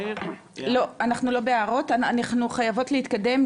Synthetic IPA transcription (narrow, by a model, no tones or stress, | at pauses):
lo̞anaχnulo̞be̞aʁo̞taanaχnuχajavo̞tleit̪kade̞m